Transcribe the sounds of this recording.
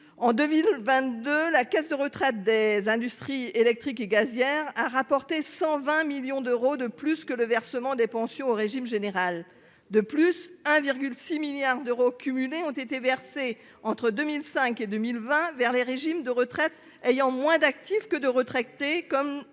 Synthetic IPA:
ɑ̃d̪ømilvɛ̃t̪d̪ølakɛsd̪əʁət̪χɛt̪̚d̪ezɛ̃d̪yst̪χielɛk̚t̪χikeɡazjɛʁaʁapɔʁt̪esɑ̃vɛ̃miljɔ̃d̪øʁod̪əplyskələvɛʁsəmɑ̃d̪ɛpɑ̃sjɔ̃oʁeʒimʒeneʁal | d̪əplysɛ̃viʁɡʲylsimiljaʁd̪øʁokʰʲymyleɔ̃t̪et̪evɛʁse | ɑ̃t̪χəd̪ømilsɛ̃ked̪ømilvɛ̃vɛʁleʁeʒimd̪əʁət̪χɛt̪ | ejɑ̃mwɛ̃d̪ak̚t̪ifkəd̪əʁət̪χɛt̪ekɔm

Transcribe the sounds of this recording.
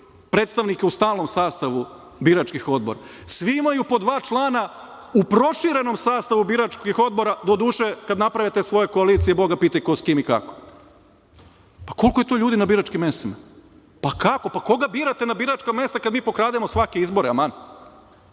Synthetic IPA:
pɾet̪st̪aʋnikeust̪aːlˠno̞msaːst̪aʋu | biɾat͡ʃkixo̞d̪̚bo̞ɾa̰ | sʋiimajupo̞d̪ʋaːt͡ʃlˠaːna | upɾo̞ʃiɾe̞no̞msaːst̪aʋubiɾat͡ʃkixo̞d̪̚bo̞ɾad̪od̪uːʃekad̪napɾaʋet̪esʋo̞je̞ko̞aliːt̪sijebo̞ɡapiːt̪akoskiːmika̰ko̥ | pako̞lkojet̪o̞ːʎuːd̪inabiːɾat͡ʃkimːe̞st̪ima̰ | pakako̞pako̞ɡabiːɾat̪enabiɾat͡ʃkame̞st̪akad̪miːpo̞kɾaːd̪emosʋake̞izbo̞ɾeaman

